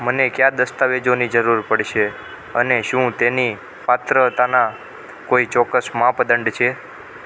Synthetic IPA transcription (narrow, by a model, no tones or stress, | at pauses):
mənekjad̪əst̪aʋed͡ʒonid͡ʒəɾuɾpəɽʃʰe | ə̰neʃũt̪eni | pat̪ɾət̪ana | koit͡ʃɔkːəsmãpəd̪əɳɖt͡ʃʰe